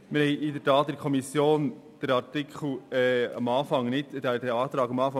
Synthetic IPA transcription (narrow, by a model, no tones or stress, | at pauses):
mɪɾhɛɪʔɪdəɾtɑːt̪ːɪdkʰɔmisjoːn | d̪̥əɾɑɾtikʰχl̩ɛːɑ̰mɑːfɑŋnɪtdɛdɛɑːt̪ɾɑːɡɑmɑːfɑ